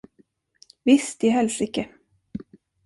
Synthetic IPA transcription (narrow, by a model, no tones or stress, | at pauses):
vɪst̪ɪɦɛlsɾikːə